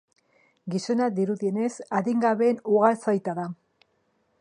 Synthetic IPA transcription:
ɡiso̞nad̪iɾuðie̞ne̞saðiŋɡaβe̞ːnuɣalsajt̪aða

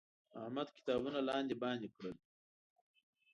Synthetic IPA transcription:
ahmad̪ki̥t̪ɑːbunalɑːnd̪ibɑːnd̪ikɽəl

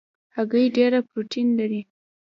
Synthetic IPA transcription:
haɡəjɖeɾapɾuʈʰinlaɾi

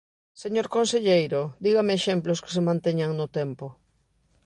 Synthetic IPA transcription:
seɲoɾkonseʎejɾʊd̪iɣameːʃemplʊskɪ̥semãnt̪eɲaŋnʊt̪ɛmpʊ

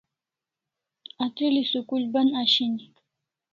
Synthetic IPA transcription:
atɪlɪsʊkʊlbanaʃɪnɪ

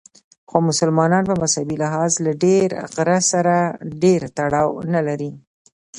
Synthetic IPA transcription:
xomʊsʊlmɑnɑnpəmashabilɪɦɑzlaɖeɾɣɾasaɾaɖeɾt̪aɽɑwnalaɾi

